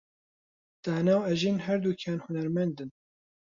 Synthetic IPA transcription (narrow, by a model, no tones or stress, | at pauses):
d̪̥aːnaːwɛʒiːnhɛɾd̪uːkʰaːnhʊnɛɾmɛnd̪ɨn